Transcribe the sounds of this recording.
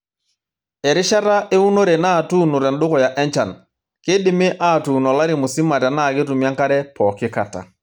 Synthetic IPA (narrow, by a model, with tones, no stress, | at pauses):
ɛ˨ɾɪ˦ʃa˦ɾa˦ʔe˦u˦no˦ɾe˨na˦˨tu˦nu˨ɾɛ˨nɗʊ˦kɔ˨ja˨ʔɛ˦ɲt͡ʃa˨n | kɪ˦dɪ˦mɪ˦ʔa˦˨tu˨nɔ˨la˦ɾi˨mu˨si˦ma˨ta˨na˦˨kɪ˦tu˨mja˦ŋka˦ɾɛ˦pɔkɪ˦ka˨ta̰˨